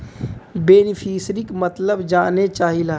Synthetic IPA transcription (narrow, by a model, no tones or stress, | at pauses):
beːnɪfʰiːsɾɪkmɐt̪ləbd͡ʒaːnet͡ʃaːɦilaɦ